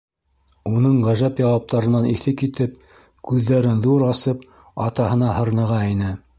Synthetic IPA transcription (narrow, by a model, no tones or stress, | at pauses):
unɤɴʁæʒæpjɑwɑp̚t̪ɑɾɤ̆nɑniθɘkit̪ɘp̚ | kʉðːæɾɘnðuɾɑsɤp̚ | ɑt̪ɑhɤ̆nɑhɤ̆ɾnɤ̆ʁɑinɘ